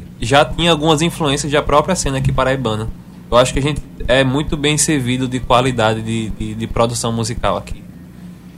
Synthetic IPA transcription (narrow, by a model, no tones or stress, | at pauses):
ʒat̪ĩɲɐ̃awɡũmɐzĩfluẽsijɐzd̪ɐpɾɔpɾiɐsẽnɐakipaɾɐibɐ̃nɐ | ewaʃʊ̥kɪaʒẽnt̪ɪ̥ɛmũj̃t̪ʊbẽj̃seɾvid̪ʊd̪ɪkwalid̪ad̪ɪd̪ɪd̪ɪd̪ɪpɾɔd̪usɐ̃w̃muzika̰wa̰ki